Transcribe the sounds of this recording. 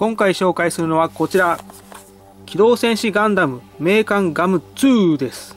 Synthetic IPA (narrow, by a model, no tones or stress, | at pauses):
kõ̞ŋkaiɕo̞ːkaisɨɾɯ̟no̞βako̞t͡ɕiɾa | kʲʰid̪o̞ːsẽ̞ɰ̃ɕiɡãnd̪amɯ̟me̞ːkãŋɡamɯ̟t͡sɯːd̪e̞sɨ̥